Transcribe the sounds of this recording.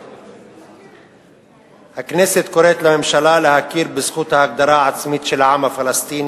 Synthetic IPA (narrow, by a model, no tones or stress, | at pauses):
hakneːsɪt̪kʊɾeːt̪lamɪmʃalaːlahakːiːɾbɪsxut̪ahak̚d̪ɑɾˤɑːʕat̪smiːt̪ʃɪlʕaːmafalast̪iːn